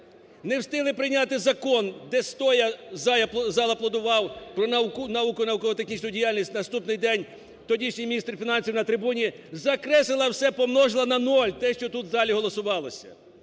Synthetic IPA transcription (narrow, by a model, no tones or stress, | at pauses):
newst̪ɪlˠɪpɾɪnʲat̪ɪzɐkɔnd̪ɛst̪ɔjɐzɑjɐzɑlˠɐplˠɐd̪ʊʋɑwpɾɔnnɐʋukʊnɐʋukɔɦɔt̪exnʲit͡ʃʲnʊjdʲijalʲnʲisʲtʲnɐst̪upnɪjd̪ɛnʲ | t̪ɔdʲit͡ʃnʲɪjmʲnʲist̪ɾfʲinɑnʲsʲiwnɐt̪ɾɪbunʲi | zɐkɾɛsɪlˠɐwsɛpɔmnɔʒlˠɐnɐnɔlʲt̪ɛʃt͡ʃɔt̪ut̪zɑlʲiɦɔlˠɔsʊʋɑlˠɔsʲɐ̰